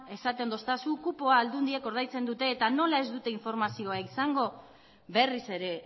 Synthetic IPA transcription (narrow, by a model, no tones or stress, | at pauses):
e̞sat̪e̞nd̪ost̪asukupo̞aːld̪und̪ie̞ko̞ɾð̞ajt͡se̞nd̪ut̪e̞ːt̪ano̞lae̞zd̪ut̪e̞iɱfo̞ɾmasio̞aisaŋɡo̞ | βe̞rise̞ɾe̞